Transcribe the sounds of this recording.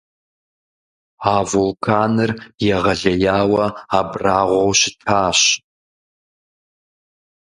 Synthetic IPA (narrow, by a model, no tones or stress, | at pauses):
aːvulkʰaːnɨrjɛʁɐɮɐjaːwɐabraːʁʷowʃɪtʰaːɕ